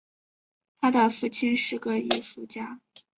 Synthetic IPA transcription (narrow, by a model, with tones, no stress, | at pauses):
t̪ʰa˥d̪ə˨fu˥˩t͡ɕʰi˥nʂɻ̩˥˩ɡə˩i˧˥˩fu˥˩t͡ɕja˥